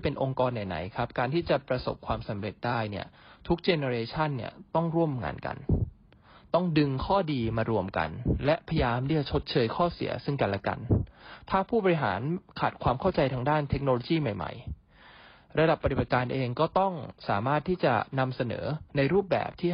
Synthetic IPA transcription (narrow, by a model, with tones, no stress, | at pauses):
pe˧nʔo˧ŋkɔː˧nːa˨˩jna̰˩˦jkʰa˦˥p̚kaː˧nt̪ʰiː˥˩t͡ɕa˨˩pɾa˧so̰˨˩p̚kʰwaː˧msa˩˦mɾe˨˩t̪̚daː˥˩jni˥˩ɐt̪ʰu˦˥k̚t͡ɕeː˧ne˧ɾeː˧t͡ɕʰa˥˩nːḭ˥˩ɐt̪ɔ˥˩ŋɾu˥˩əmŋa̰ː˧nka̰˧n | t̪ɔ˥˩ŋdɯ˧ŋkʰɔː˥˩diː˧maː˧ɾu˧əmka̰˧nlɛ˦˥ʔpʰa˧jjaː˧mt̪ʰiː˥˩t͡ɕa˨˩t͡ɕʰo˦˥t̪̚t͡ɕʰɤː˧jkʰɔː˥˩sḭ˨˩˦ɐsɯ˥˩ŋka˧˩nlɛ˦˥ka̰˧nt̪ʰaː˥˩pʰuː˥˩bɔː˧ɾi˧˥ɦa̰ː˩˦nkʰaː˨˩t̪̚kʰwaː˧mkʰa˥˩wt͡ɕa˧jt̪ʰaː˧ŋdaː˥˩nt̪ʰe˦˥k̚noː˧loː˧jiː˥˩ma˨˩jma̰˨˩j | ɾa˧da˨˩pːa˧t̪i˨˩ba˨˩t̪̚kaː˧nʔeː˧ŋkɔː˥˩t̪ɔ˥˩ŋsaː˩˦maː˥˩t̪ʰːiː˥˩t͡ɕa̰˨˩na˧msa˧nɤ̰ː˩˦na˧jɾuː˥˩p̚bɛ̰ː˨˩p̚t̪ʰiː˥˩